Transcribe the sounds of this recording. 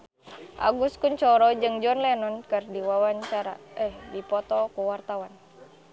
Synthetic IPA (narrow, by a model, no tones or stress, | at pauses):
ʔa̰ɡuskuɲt͡ʃɔɾɔd͡ʒɨŋd͡ʒɔnlɛnɔnkɨrdiwawaɲt͡ʃaɾa̰ɛhdipɔt̪ɔkuwart̪awan